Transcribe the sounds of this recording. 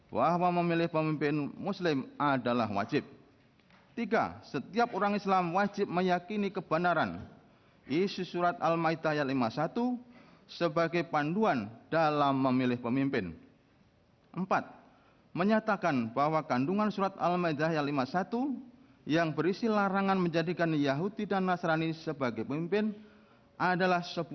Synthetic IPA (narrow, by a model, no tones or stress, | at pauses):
waɦawaməmilɪhpəmimpɪnmuslɪmadala̰hwa̰d͡ʒɪp̚ | t̪iɡa̰sət̪iap̚oɾaŋislamwad͡ʒɪp̚məjakinikəb̥anaɾan | isusuɾat̪̚almaid̪aɦajat̪limasat̪usəbaɡajpanduand̥alamːəmilɪhpəmimpɪn | ʔəmpat̪̚ | məɲat̪akanbaɦwakanduŋansuɾat̪a̰lmaid̪aɦjat̪limasat̪u | jaŋbəɾisilaɾaŋanməɲd͡ʒadikanjaɦudidanːasɾanisəbaɡajpəmimpɪn | ʔadalahsəb